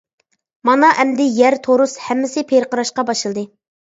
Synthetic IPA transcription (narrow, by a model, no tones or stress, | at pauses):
mɑnɑʔɛmd̪ɪjæɾt̪ʰoɾushɛmːɪsɪpʰeɾqəɾɑʃqɑbɑʃɨlˠɨd̪ɨ